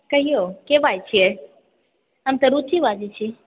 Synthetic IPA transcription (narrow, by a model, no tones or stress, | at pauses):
kəɦijokeʋajt͡ʃʰie | amt̪əɾut̪ʰiʋad͡ʒit͡ʃʰi